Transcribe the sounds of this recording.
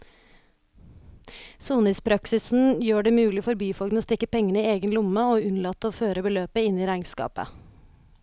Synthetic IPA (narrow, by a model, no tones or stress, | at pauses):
suːnɪspʰɾɑksɪsn̩jøːɖeːmʉːlɪfɔɾbyːfɔlɡnoːst̪ɪkəpɛŋəniːeːɡənlʊməoːʉnlɑt̪ːoːføːɾəbəløːpəɪniːɾæɪŋskɑ̰ːpə̰